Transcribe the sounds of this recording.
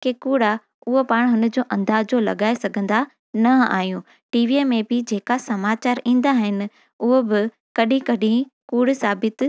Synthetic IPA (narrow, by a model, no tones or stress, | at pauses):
kekuːɽa | ʊɦopaːɽ̃ɦʊnə̆d͡ʑoːʔɐ̃nd̪aːd͡ʑolɐ̰ɠaːesɐɡʱə̃nd̪a | nɐa̰ːɦijũ | ʈiːʋiemẽbɪd͡ʑeːkasɐmaːt͡ɕaːɾĩːn̆d̪aɦɪnɪ̆ | ʊɦobɪ | kɐɗʱĩkɐɗĩkuːɽ̤saːbɪt̪